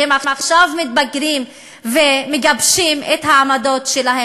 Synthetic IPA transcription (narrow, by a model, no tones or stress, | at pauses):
emamaχʃavmit̪̚baɡʁim | vemeɡabʃimet̪haːmado̞tʃelahe